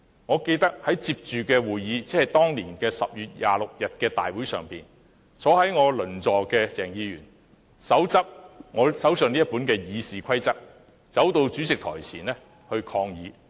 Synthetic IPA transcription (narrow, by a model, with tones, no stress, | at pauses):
ŋɔː˨˧ke˧jt̪ɐ˥k̚hɐ˨˥jt͡siː˧p̚t͡ʃyː˨kɛː˧wuː˨˩jjiː˨˧t͡sɛː˥hɐ˨jt̪ɔː˥ŋliː˨˩nkɛː˧sɐ˨p̚jyː˨t̚jaː˨lʊ˨k̚jɐ˨t̚kɛː˧t̪a̰ː˨jwuː˨˥jsœ̰ː˨ŋpiː˨n | sɔː˨˥ɦɐ˨˥jŋɔː˨˧lɵ˨˩nt͡sɔː˨kɛː˧t͡sɛː˨˩ŋjiː˨˧jyː˨˩n | sɐ˨˥wt͡sɐ˥p̚ŋɔː˨˧sɐ˨˥wsɵ˨niː˥ɐ˥t̚pu˨˥nkɛː˧jiː˨˧siː˨kʷʰɐ˥jt͡sɐ˥k̚ | t͡sɐ˨˥wt̪o˧wt͡ʃy˨˥t͡sɪ˨k̚t̪ʰɔ̰ː˨˩jt͡sʰiː˨˩nlɛː˥ | hɵ˧ɥkʰɔː˧ŋjiː˨˥